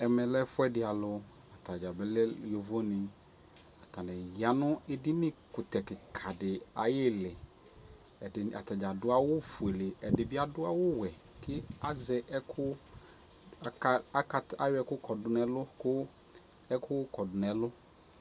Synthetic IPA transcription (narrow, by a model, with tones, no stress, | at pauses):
ɛ˨mɛ˨lɛ˦fʊ˦ɛ˦dɪ˨a˨lʊ˨ | a˨ta˨d͡ʒa˨bɛ˦lɛ˦jo˨vo˦nɪ˨ | a˨t̪a˨nɛ˨ja˨nʊ̃˦ɪ˦dɪ˦nɪ˦kʊ˨t̪ɛ˨kɪ˨kʰa˨dɪ˨a˨jɪ˦lɪ˨ | ɪ˨a̰˨t̪a˨d͡ʒa˨dʊ˦a˦wʊ˦fʊ˨e˨lɪ˨ɛ˨dɪ˨bɪ˦a˦dʊ˦a˦wʊ˦wɛ˨ | kɪ˦a˦zɛ˨˦kʰʊ˦˨ | a˦ka˨˦a˨˦jʊ˦ɛ˦kʊ˦kɔ˨dʊ˨nɛ˨lʊ˦kʊ˦ | ɛ˦kʊ˦kɔ˨dʊ˨nɛ˨lʊ˦